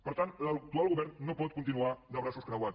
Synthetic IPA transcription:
pəɾt̪ant̪lək̚t̪ualˠɣuβɛɾnːopɔt̪̚kunt̪inuad̪əβɾasoskɾawa

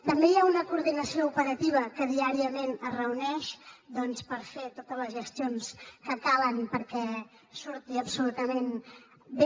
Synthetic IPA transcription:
t̪əmbejaunəkuːɾðinəsioupəɾət̪iβ̞əkəðiaɾiəmenərəunɛʃd̪ɔnspəɾfet̪ot̪ələzʒəst̪ionskəkalənpəɾkɛ | suɾt̪iəpsulut̪əmen | be

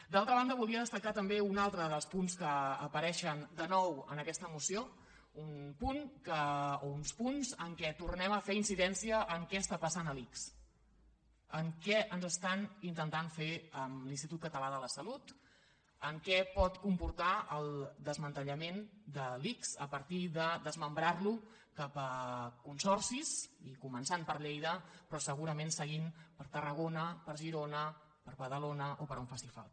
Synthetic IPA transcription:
d̪alˠt̪ɾəβand̪əβulˠd̪iəðəst̪əkat̪əmbeunalˠt̪ɾəðəlˠspunskəːpəɾɛʃənd̪ənɔwə̰nəkɛst̪əmusio | unpuŋkəounspunzəŋkɛt̪urnɛməfeɾinsiðɛnsiəʔːŋkɛəst̪apəsanəliks | əŋkɛənzəst̪anint̪ənt̪aɱfeəmlinst̪it̪ut̪kət̪əlaðələsəlut̪ | əŋkɛpɔt̪kumpuɾt̪aəlˠd̪əzmənt̪əʎəmend̪əliksə̰pəɾt̪iðəðəzməmbɾarlu | kapəkunsɔrsisikumənsanpəɾʎejðəpɾɔsəɣ̞uɾəmensəɣ̞impəɾt̪ərəɣ̞onəpəɾʒiɾonə | pəɾβəðəlonəʔopəɾuɱfasifa̰lˠ

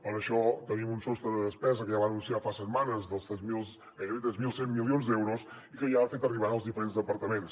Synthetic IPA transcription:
pəɾəʃɔt̪ənimunsɔst̪ɾəðəðəspɛzəkəjaβanunsiafasət̪manəzðəlˠst̪ɛzmilˠs | ajəit̪ɾɛzmilˠsemːilˠionzd̪ɛwɾʊs | ikəʒafet̪əriβanəlˠzðifəɾenzðəpəɾt̪əmens

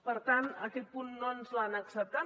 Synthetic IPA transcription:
part̪anakipunːɔnslanaksat̪a

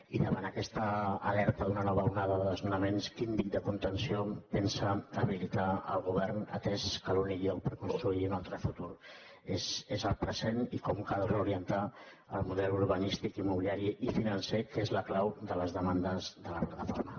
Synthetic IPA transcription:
iðəβanəkɛst̪əːlɛɾt̪əðunənɔβəunaðəðəðəlˠzmunəmenskinbik̚d̪əkunt̪ənsiopɛnsəəβilit̪aə̰lˠɣuβ̞ɛɾnə̰t̪ɛskəluniʎowpəɾkunst̪ɾuiunalˠt̪ɾəfut̪uɾ | ezezəlpɾəzenikɔmkalˠreuɾiənt̪a | əlˠmuðɛluɾβənist̪ikimuβiliaɾiʔifinənsekezləklawd̪ələzðəmand̪əzðələplat̪əfoɾmə

